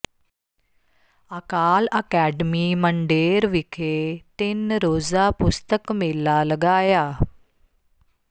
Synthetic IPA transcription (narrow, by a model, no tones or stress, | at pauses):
əkaːləkɛːɖmiːməɳɖeːɾʋɪkʰet̪ɪnɾoːzaːpʊst̪əkmɪːlaːləɡaːjaː